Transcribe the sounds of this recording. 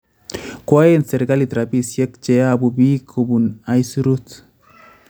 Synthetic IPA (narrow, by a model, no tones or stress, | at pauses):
kwajenseɾɡalit̪ɾapisjekt͡ʃeabubikʰobunajsuɾut̪